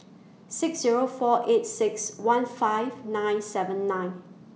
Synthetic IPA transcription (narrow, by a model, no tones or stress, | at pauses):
sɪksziɹofɔʔetsɪkswãnfaɪvnãj̃nsɛvə̃nːãɪ̃n